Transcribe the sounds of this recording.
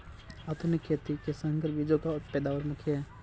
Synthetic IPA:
ɐt̪unikʰet̪ikesɐŋɡəɾbid͡ʒokapɛːd̪aːʋəɾmʊkʰje

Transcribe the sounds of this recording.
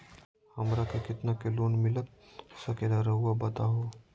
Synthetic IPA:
hɐmɾakekɪt̪nakeloːnmɪlək̪̚sɐkelaɾɐɦuabɐt̪aɦoː

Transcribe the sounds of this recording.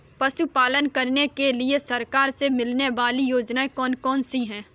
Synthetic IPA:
pɐʃupaːlənkɐɾnekeliesɐɾkaːɾsemɪlneʋaːlijoːd͡ʒnaekɔːnkɔːnsiɦɛ̃ː

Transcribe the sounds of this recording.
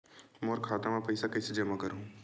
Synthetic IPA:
moːɾkʰaːt̪amãpɐjsakɐːsed͡ʒɐmakɐɾõ

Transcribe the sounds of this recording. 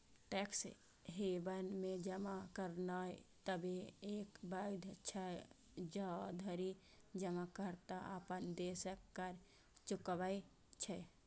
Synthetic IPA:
ʈɛks | ɦebənmed͡ʒəmakəɾnat̪əbeeːkbajd̪ʱt͡ʃʰə | d͡ʒad̪ʱəɾi | d͡ʒəmakəɾt̪aa̰pənd̪esəkːəɾ | t͡ʃʊkʋai | t͡ʃʰɛ

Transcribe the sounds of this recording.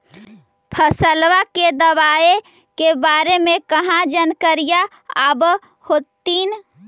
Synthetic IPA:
pʰəsəlʋaked̪əwaːe | kebaːɾemekəɦãd͡ʒənkəɾija | əb | hot̪in

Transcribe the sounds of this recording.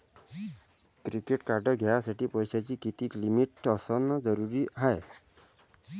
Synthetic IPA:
kɾikeʈkaɾɖəɡʱaasaʈiːpəjsat͡ɕiːkit̪iːklimiʈəsənəd͡zəɾuɾiːɦaj

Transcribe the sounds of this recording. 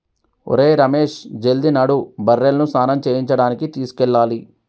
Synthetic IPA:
o̰ɾe̞ːɾɐmeːʂd͡ʒeld̪inaːɽubɐɾːelnusaːnɐmt͡ʃeːjiɲt͡ʃɐɽaːnikit̪iːsu̥kɛɭːaːli

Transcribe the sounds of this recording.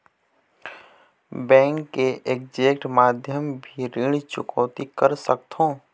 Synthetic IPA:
bɛ̃ːŋkːeʔeːk̚d͡ʒeːkʈmaːd̪ʱjəmbʱiɾɪɽ̃t͡ʃʊ̰kɔːt̪ikəɾsəkt̪ʰõː

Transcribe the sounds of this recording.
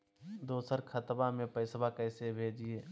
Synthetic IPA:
d̪oːsəɾkʰɐt̪bamẽpəɪsbakɛːsebʱeːd͡ʒieː

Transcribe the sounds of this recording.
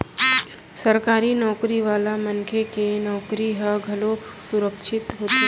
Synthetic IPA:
səɾkaːɾinɔːkɾiʋaːlamənkʰekenɔːkɾiɦəɡʱɐloːksʊɾəkʃɪt̪ɦoːt̪

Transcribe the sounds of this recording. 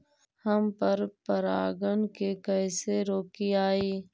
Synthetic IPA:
hɐmpəɾpɐɾa̰ːɡənkekəjseɾoːkiaːiː

